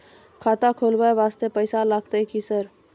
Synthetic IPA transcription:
kʰaːt̪akʰoːlbaeʋaːst̪epəɪsalaːɡ̚t̪eikisəɾ

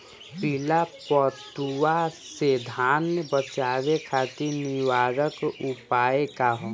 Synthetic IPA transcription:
pɪlapɔt̪uwased̪ʱaːnbət͡ʃaːwekʰaːt̪inɪwaːɾəkupaːekaɦo

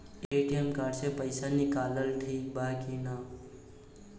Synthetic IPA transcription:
eʈijəmkaɖsepəɪsanikaːləlʈʰiːk̚bakina

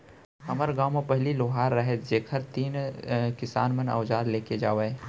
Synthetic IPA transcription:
hɐməɾɡaːmẽpɐɦliloːɦaːɾːɐɦed͡ʒeːkʰəɾt̪iːnkɪsa̰ːnmənɐ̰ːd͡ʒaːɾleːked͡ʒaːʋee

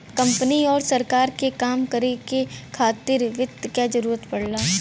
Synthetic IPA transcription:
kɐ̃mpəniɔːɾsɐɾkaːɾkekaːmkɐɾekekʰaːt̪ɪɾʋɪt̪ːkjad͡ʒɐɾuːɾət̪pɐɽ̤laː

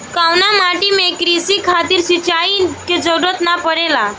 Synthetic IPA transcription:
kawnamaʈimekɾisikʰat̪iɾsit͡ʃaiked͡ʒəɽət̪napəɾela

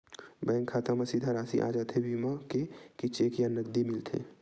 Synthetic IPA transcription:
bɛŋkʰaːt̪amasid̪ʱaɾaːsḭʔa̰ːd͡ʒaːt̪ʰebimakekit͡ʃeːkjanəɡ̚d̪imɪlt̪ʰḛː

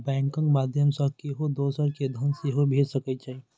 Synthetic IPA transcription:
bɛ̃ːŋkə̃ŋɡmaːd̪ʱjəmsəkeɦod̪oːsəɾked̪ʱənseɦobʱeːd͡ʒsɐkət͡ʃaːi

